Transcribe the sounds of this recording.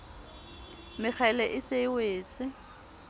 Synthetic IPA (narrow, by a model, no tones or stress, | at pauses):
mɪk͡xʰaɪlɛʔɪseɪweːt͡sʼɪ